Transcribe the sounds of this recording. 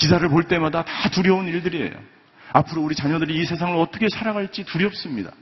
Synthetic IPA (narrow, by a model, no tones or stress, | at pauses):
kisʰaɾɯɭpoɭt͈e̞madatatuɾjʌuniɭdɯɾie̞̰jo̰ | apʰɯɾouɾit͡ɕaɲʌdɯɾiːsʰe̞sʰaŋɯɾʌt͈ʌkʰe̞sʰaɾaɡaɭt͡ɕ͈ituɾjʌp̚s͈ɯmɲida̰